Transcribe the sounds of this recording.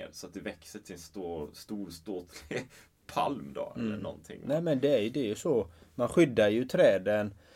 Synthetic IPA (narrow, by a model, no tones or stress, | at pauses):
d̪sɔat̪̚d̪ɛvɛksəʈʰɪɛnst̪ːst̪uːɾst̪oːt̪ʰlɪɡ | pʰa̰lmd̪o̰ɛ̰lːənɔ̰nt̪ʰɪ̰ŋːnɛːmɛnd̪ɛæɾjɵd̪ɛjɵsɔmanɧʏd̪ːajɵt̪ʰɾɛːd̪ən